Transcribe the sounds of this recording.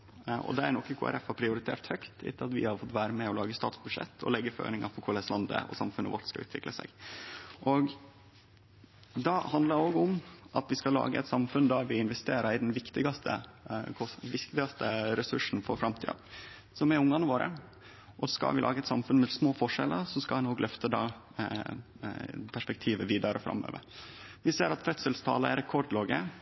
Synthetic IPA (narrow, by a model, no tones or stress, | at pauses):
ʔɔ̰d̪ɛæɾnɔkːəkʰʊæ̰ɾɛfhɑɾpʰɾɪʊɾɪt̪ʰḛːʈ̪hœkt̪ɪ̰t̪ʰːəɑt̪ʋɪ̰hɑɾfɔt̪ːʋæːɾəmɛɔlɑːɡəst̪ɑ̰ːt̪sbʉd̪ʂɛ̰t̪ʰːɔ̰lɛɡːəfø̰ːnɪŋɑfɔɾkʰʊlɛslɑnd̪ə̰ʔɔ̰sɑmfʉnə̰ʋɔʈ̪skɑʉːt̪ʋɪkləsɛ̰ɡʔɔɡ | d̪ɑhɑnd̪ləɾoːɡʊmʔɑt̪ʋɪskɑlɑ̰ːɡəɛ̰t̪sɑmfʉnd̪ɑʋɪɪnʋɛst̪eːɾɑɾɪd̪ɛnʋɪkt̪ɪɡɑst̪ʰə̰kʰɔʋɪkt̪ɪɡɑst̪ʰəɾɛsʉʂn̩fɔɾfɾɑmt̪ʰḭːd̪ɑ̰ | sɔmɛɾʊŋːɑnəʋoːɾə̰ | ʔɔskɑ̰lʋɪ̰lɑ̰ːɡəɛt̪sɑmfʉnmɛsmoːfɔʂɛ̰lːə̰ɾsɔskɑlɛnoːɡlœft̪əd̪ɑ̰ | pʰæʂpɛk̚t̪ʰiːʋəʋiːd̪ɑɾəfɾɑ̰mːø̰ːʋə̰ɾʋɪseːɾɑt̪fœt̪səlst̪ʰɑ̰ːləɛ̰ɾɛkʰɔɖloːɡə